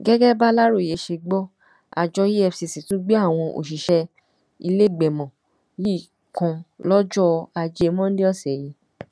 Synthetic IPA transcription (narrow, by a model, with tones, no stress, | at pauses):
ɡɛ˦ɡɛ˦ba˦la˦ɾo˦˨je˨˦ʃe˧ɡ͡bɔ˦ | a̰˨d͡ʒɔ˧ji˦ɛ˧fsi˨si˨tũ˦ɡ͡be˦a˦˨w̃ɔ̃˧ʔo̰˨ʃ̬i˨ʃɛ˧ | i˧le˦˨ɡ͡bɛ˨mɔ̃˨ | ji˦˨ | kɔ̃˧lɔ˦d͡ʒɔ˦a˧d͡ʒe˧˦˧mɔ̃˦n̩˦de˦ɔ˦˨sɛ˨ji˧